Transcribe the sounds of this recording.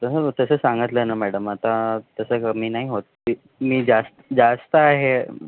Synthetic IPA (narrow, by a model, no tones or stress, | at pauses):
t̪əsət̪əsəːsaŋɡət̪lənamæɽəmat̪at̪əsəkəmiːnaɦiɦot̪̚ | i | miːd͡zast̪əd͡zast̪əaɦe